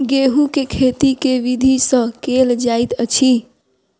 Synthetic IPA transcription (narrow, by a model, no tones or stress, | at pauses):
ɡeɦukekʰet̪ikeʋid̪ʱisə̃keld͡ʒajt̪ət͡ʃʰi